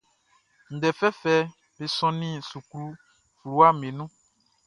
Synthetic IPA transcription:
n̩˨ɖɛ˨fɛ˦fɛ˦ | be˨sɔ̃˦nĩ˦su˨kɾu˦ | fɾu˨wa˦mẽ˨nũ˦

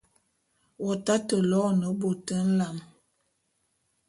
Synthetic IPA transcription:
wɔ˨ta˦tə˨lɔ˦˨nə˨˦bo˨tə˦n̩˦la˨m

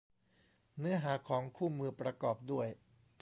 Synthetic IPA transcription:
nɯ˦˥ɐɦaː˩˦kʰɔː˩˦ŋkʰuː˥˩mɯː˧pɾa˧kɔː˨˩p̚du˥˩əj

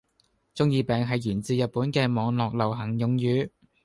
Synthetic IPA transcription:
t͡sʊ˥ŋjiː˧pɛː˨ŋɦɐ˨jjyː˨˩nt͡siː˨jɐ˨t̚puː˨˥nkɛː˧mɔː˨˧ŋlɔː˨k̚lɐ˨˩wɦɐ˨˩ŋjʊ˨˧ŋjyː˨˧˥

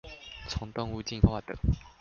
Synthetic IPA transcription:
t͡sʰɔ˧˥ŋt̪ɔ˥˧ŋu˥˧t͡ɕi˥˧nxwa˥˩d̪ə̰˨˩˦

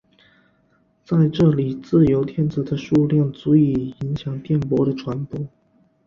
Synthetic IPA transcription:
t͡sa˥˧ɪʈ͡ʂɤ˥˩li˨˩t͡sɹ̩˥˩jo˧˥ʊt̪ʰjɛ˥˩nt͡sɹ̩˨˩d̪ə˦ʂu˥˧ljɑ˥˩ŋt͡su˧˥i˨˩i˧˥ŋɕjɑ˨˩ŋt̪jɛ˥˩npwɔ˧˥ɾə˨ʈ͡ʂʰwa˧˥npɔ˧˥˦

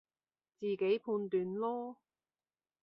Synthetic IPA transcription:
t͡siː˨ke˨˥jpʰuː˧nt̪yː˨nlɔː˥

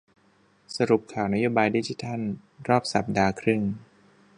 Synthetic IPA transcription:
sa˧ɾu˨˩p̚kʰaː˨˩wna˦˥joː˧˩baː˧jdi˧t͡ɕʰi˧˦t̪ʰa˥˩n | ɾɔː˥˩p̚sa˨˩p̚daː˧kʰɾɯ˥˩ŋ

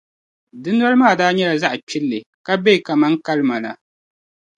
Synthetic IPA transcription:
dɨ˦nː˦a˦lɨ˦maː˦˨daː˦ɲɛ˦la˨za˦ʔa˨pʰɪ˦lːɨ˨ | ka˦be˦i˨ka˨ma˦ŋka˦lɨ˦ma˨la̰˨

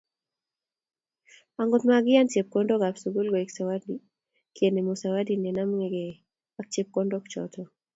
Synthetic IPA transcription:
a˨ŋɡɔt̪maɡɪ˦ja˦nt͡ʃe˨p̚kɔndɔ˦ka˨psuɡu˦lɡɔ˨i˨ksawa˦di | ke˨ne˨mosawa˦di˨ne˨na˦mŋeɡe˨ | a˦k̚t͡ʃe˦p̚kɔndɔ˦kt͡ʃɔ̰t̪ʰɔ

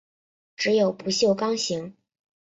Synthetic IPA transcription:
ʈ͡ʂɻ̩˧˥jo˨˩ʊpu˧˥ɕjo˥˩ʊkɑ˥ŋɕi˧˥ŋ

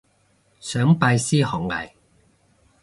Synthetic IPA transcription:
sœː˨˥ŋpaː˧jsiː˥hɔː˨˩ŋlɐ̰˨˩j

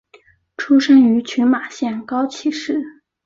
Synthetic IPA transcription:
ʈ͡ʂʰu˥ʂə˥ny˧˥t͡ɕʰy˧˥nma˨˩ɕjɛ˥˩nkɑ˥ʊt͡ɕʰi˨˥˩ʂɻ̩˥˩

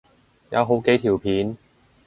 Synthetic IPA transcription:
ja̰˨˧˥wɦo˨˥wke˨˥jt̪ʰiː˨˩wpʰiː˨˥n

